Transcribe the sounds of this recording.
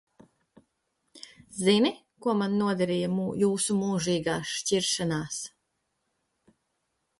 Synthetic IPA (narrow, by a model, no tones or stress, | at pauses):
zini | kuɔmanːuɔd̪ɛɾiːjamujuːsumuːʒiːɡaːʃciɾʃanaːs